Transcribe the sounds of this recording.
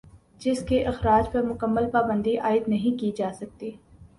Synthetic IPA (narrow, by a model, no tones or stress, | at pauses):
d͡ʒɪskeʔɪxɾaːd͡ʒpɐɾmʊkəmːəlpaːbə̃nd̪iʔaːɪd̪nɐɦĩkid͡ʒaːsɐk̚t̪iː